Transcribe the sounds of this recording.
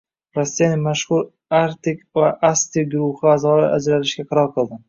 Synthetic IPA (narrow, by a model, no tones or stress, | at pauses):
ɾasːijanɪmaʃhʊɾ | aɾt̪ɪkʲvaʔast̪ɪɡʊɾʊhɪazɒlɪʔa̰d͡ʒɾaɾɪʃɡʲaqʰɑɾɒlˠqɨlˠd̪ɪm